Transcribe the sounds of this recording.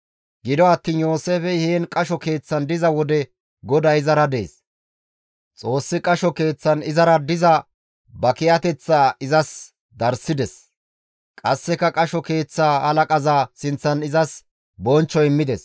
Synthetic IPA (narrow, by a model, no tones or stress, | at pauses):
ɡɪd̪ɔɐt̪ːiːnjo̞ːseːfɛheːnkʼɐʃɔke̞ːt͡sːɐnd̪ɪzɐwɔd̪ɛ | ɡɔd̪ɐjɪzɐɾɐd̪e̞ːs | t͡sʼo̞ːsːɪkʼɐʃɔke̞ːt͡sːɐnɪzɐɾɐd̪ɪzɐ | bɐkɪjɐt̪ɛt͡sːaːɪzɐs | d̪ɐɾsɪd̪ɛs | kʼɐsːɛkːɐkʼɐʃɔke̞ːt͡sːaːhɐlɐkʼɐzaːsɪnt͡sːɐnɪzɐs | bɔnt͡ʃːɔɪmːɪd̪ɛs